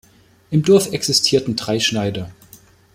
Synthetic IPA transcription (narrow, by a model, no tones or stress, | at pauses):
ʔɪmdɔɐfɛksɪstʰiːɐtn̩dʁaɪʃnaɪdɐ